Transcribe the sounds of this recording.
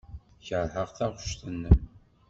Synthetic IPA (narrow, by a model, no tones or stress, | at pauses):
çəɾˤħəʁθæʁʊʃθənːəm